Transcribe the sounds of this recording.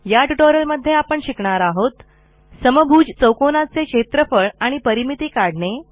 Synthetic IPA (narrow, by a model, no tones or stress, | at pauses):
jaʈuʈoɾəlməd̪ʱːjeapəɳɕikɳaɾaɦot̪ | səməbʱuːd͡ʑt͡səwkonat͡seɕet̪ɾəfəɭaɽ̃ipəɾimit̪iːkaɽɳe